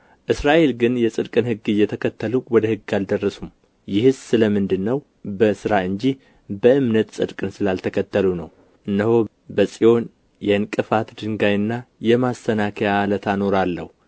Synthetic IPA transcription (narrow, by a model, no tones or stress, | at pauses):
ʔɨsɾaʔe̞lɡɨnjɛsʼɨd̪kʼɨnhɨɡːɨjɛt̪ʰəkʰət̪ʰːəluwɔd̪əhɨɡːald̪ərːəsum | jɪhɨzsɨləmɨnd̪ɨnːəw | bəsɨɾaɨɲd͡ʒi | bəɨmnət̪sʼɨd̪kʼɨnsɨlalt̪ʰəkʰət̪ːəlunəw | ʔɨnːəho | bəsʼijo̞n | jɛɨnkʼɨfat̪d̪ɨŋɡajɨnːajɛmast̪ʰənakʰəjalət̪ʰano̞ɾalːə̰hu